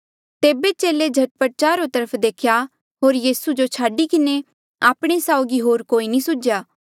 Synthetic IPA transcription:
t̪eːbet͡ʃeːled͡ʒʱɐʈ̚pəɾ̚t͡ʃaːɾot̪əɾəpʰd̪eːkʰja | ɦoːɾjiːsud͡ʒot͡ʃʰaːɖikɪne | aːpɽ̃esaːʊɡiɦoːɾkoːinĩsʊd͡ʒjaː

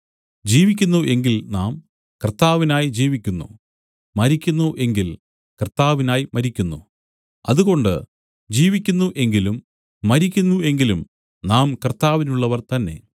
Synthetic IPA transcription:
d͡ʑiːʋikʲːunːuʔe̞ŋɡilnaːm | kɐrt̪ːaːʋinaːjid͡ʑiːʋikʲːunːṵ | mɐɾikʲːunːuʔe̞ŋɡil | kɐrt̪ːaːʋinaːjimɐɾikʲːunːṵ | ɐ̰ðuɣo̞ɳɖɨ̰ | d͡ʑiːʋikʲːunːuʔe̞ŋɡilumː | ɐɾikʲːunːue̞ŋɡilum | naːmkɐrt̪aːʋinuɭːɐʋɐrt̪ɐnːe̞̰

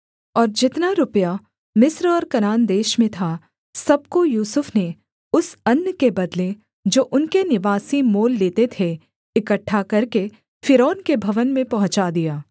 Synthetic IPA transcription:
ɔːɾd͡ʒɪt̪naɾʊpəja | mɪsɾɔːɾkɐnaːnd̪eːʃmẽt̪ʰa | sɐb̚kojuːsʊfne | ʊsɐnːəkebɐd̪le | d͡ʒoːʔʊnkenɪʋaːsimoːlːeːt̪et̪ʰe | ɪkəʈʰːakɐɾke | fɪɾɔːnkebʱɐʋənmẽpɐɦʊ̃t͡ʃad̪ijaː

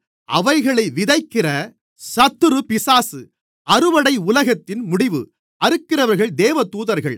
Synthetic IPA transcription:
ʔɐʋɐɪɣɐɭɐɪʋɪðɐɪkːɪrɐ | sɐt̪ːɯɾɯpɪsaːsɯ | ɐɾɯʋɐɽɐɪʊlɐɣɐt̪ːɪnmʊɽɪʋɯ̰ | ɐɾɯkːɪrɐʋɐɾɣɐɭd̪eːʋɐt̪uːðɐɾɣɐɭ

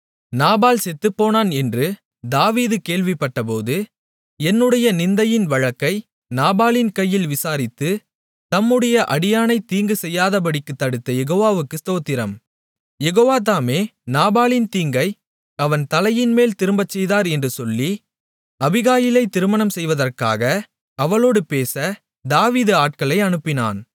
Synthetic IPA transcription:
naːbaːlsɛt̪ːɯpːoːnaːnɛndrɯ | d̪aːʋiːðɯkeːɭʋɪpːɐʈːɐpoːðɯ | ɛnːɯɽɐjɐnɪnd̪ɐjɪnʋɐɻɐkːɐɪ | naːbaːlɪnkɐjːɪlʋɪsaːɾɪt̪ːɯ | t̪ɐmːɯɽɐjɐʔɐɽɪjaːnɐɪt̪iːŋɡɯsɛjːaːðɐp̬ɐɽɪkːɯt̪ːɐɽɯt̪ːɐjɛɣoːʋaːʋɯkːɯst̪oːt̪ːɪɾɐ̰m | jɛɣoːʋaːt̪̬aːmeːnaːbaːlɪnt̪iːŋɡɐɪ | ɐʋɐnt̪ɐlɐjɪnmeːlt̪ɪɾɯmbɐt͡ʃːɛjðaːɾɛndrɯsɔlːi | ɐbɪɣaːjɪlɐɪt̪ːɪɾɯmɐnɐmsɛjʋɐðɐrka̰ːɣɐ | ɐʋɐɭoːɽɯpeːsɐ | d̪aːʋiːðɯaːʈ̚kɐɭɐɪɐnɯpːɪna̰ːn

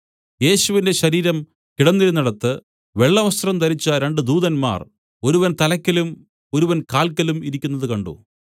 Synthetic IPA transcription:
je̞ːɕuʋinde̞ɕɐɾiːɾɐm | kiɽɐnːiɾunːɐɽɐt̪ːɨ | ʋe̞ɭːɐʋɐst̪rɐmt̪ɐɾit͡ɕːɐɾe̞ɳɖɨd̪uːðɐnma̰ːr | o̞ɾuʋɐnt̪ɐlɐkʲːɐlum | o̞ɾuʋɐnkaːlkːɐlumiɾikʲːunːɐðɨkɐɳɖṵ

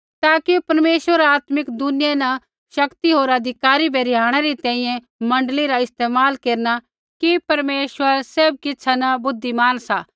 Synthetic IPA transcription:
t̪aːkipɐɾmeːʃʋəɾaːt̪mɪkd̪ʊnɪjɛnɐ | ʃɐkt̪iɦoːɾɐd̪ʱɪkaːɾibʱeɾɪɦaːɽ̃ɛɾit̪ɛ̃ːĩjɛ̃ | mɐ̃ɳɖliɾaɪst̪eːmaːlkeːɾna | kipɐɾmeːʃwəɾseːb̚kɪtːsʰanɐbʊd̪ʱːimaːnsaː

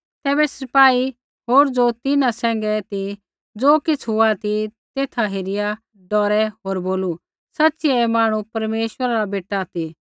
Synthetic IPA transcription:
t̪ɛːbɛsɐpaːi | ɦoːɾd͡zot̪ɪnãsɛ̃ːŋ̆ɡɛt̪i | d͡zoːkɪt͡sʰɦʊat̪it̪eːt̪ʰaɦeɾɪja | ɖɔːɾɛɦoːɾboːlu | sɐtːsiɛɛmaːɽ̃upɐɾmeːʃwəɾaɾabeːʈːat̪i

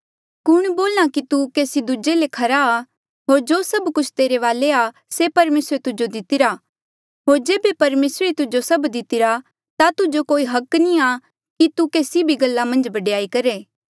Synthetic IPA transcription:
kʊɽ̃boːlñakit̪ukeːsid̪ud͡ʒelekʰɐɾaː | ɦoːɾd͡ʒoːsɐbkʊt͡ʃʰt̪eːɾeʋaːlea | sepɐɾmeːsɾet̪ʊd͡ʒod̪ɪt̪ɪɾa | ɦoːɾd͡ʒeːbepɐɾmeːsɾet̪ʊd͡ʒosɐbd̪ɪt̪ɪɾa | t̪at̪ʊd͡ʒokoːiɦɐknĩa | kit̪ukeːsibʱiɡɐlːamɐ̃nd͡ʒbɐɖjaːikɐɾeː

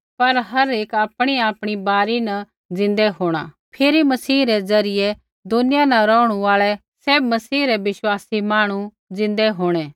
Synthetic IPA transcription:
pɐɾɦɐɾeːkaːpɽ̃iaːpɽ̃ibaːɾinɐ | d͡zɪ̃nd̪ɛɦoːɽ̃a̰ː | pʰeːɾimɐsiːɾɛd͡zɐɾɪjɛ | d̪ʊnɪjanɐ̃ɾɔːʊɽ̃uaːɭɛ | seːbmɐsiːɾɛʋɪʃwaːsimaːɽ̃u | d͡zɪ̃nd̪ɛɦoːɽ̃ɛː

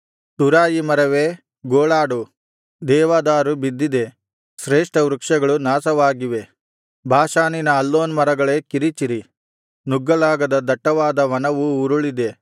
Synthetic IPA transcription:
t̪uɾaːjimɐɾɐʋeː | ɡoːɭaːɖu | d̪ɛːʋaːd̪aːɾubid̪ːid̪e̞ | ʃɾeːʂʈɐɾukʂɐɡɐɭunaːsɐʋaːɡiʋe̞ | bʱaːʃaːninɐːlːoːnmɐɾɐɡɐɭe̞ːkiɾit͡ʃiɾi | nuɡːɐlaːɡɐd̪ɐd̪ɐʈːɐʋaːd̪ɐʋɐnɐʋuuɾuɭid̪e̞

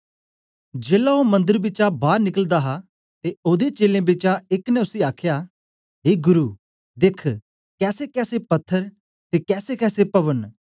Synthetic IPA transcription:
d͡ʒeːlaomɐ̃nd̪əɾbɪt͡ʃabaːɾnɪkəld̪aːɦa | t̪eoːd̪et͡ʃeːlẽːbɪt͡ʃaɪknɛ̃ʊsiaːkʰjaː | ɦeːɡʊɾuː | d̪ɪkʰ | kɛːsekɛːsepɐt̪ʰːəɾ | t̪eːkɛːsekɛːsepɐβən

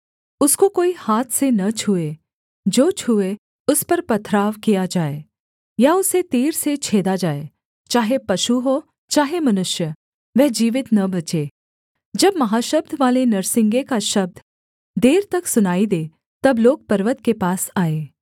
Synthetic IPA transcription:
ʊskokoːihaːt̪ʰsenɐt͡ʃʰue | d͡ʒoːt͡ʃʰue | ʊspɐɾpɐt̪ʰɾaːʋkijad͡ʒaːe | jaʊset̪iːɾset͡ʃʰeːd̪ad͡ʒaːe | t͡ʃaːɦepɐʃuɦo | t͡ʃaːɦemɐnʊʃjə | ʋɛd͡ʒiːʋɪt̪nɐbɐt͡ʃeː | d͡ʒɐbmɐɦaːʃəb̚d̪ʱʋaːlenɐɾsɪ̃ŋɡekaʃɐb̚d̪ʱ | d̪eːɾt̪ɐksʊnaːid̪eː | t̪ɐbloːɡ̚pɐɾʋət̪kepaːsaːeː

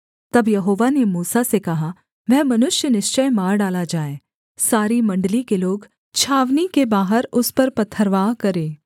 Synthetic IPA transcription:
t̪ɐbjɐɦoːʋanemuːsasekɐɦa | ʋɛɦmɐnʊʃjənɪʃt͡ʃəjmaːɾɖaːlad͡ʒaːeː | saːɾimɐ̃ɳɖəlikeloːɡ | t͡ʃʰaːʋnikebaːɦəɾʊspɐɾpɐt̪ʰːəɾʋaːkɐɾẽː

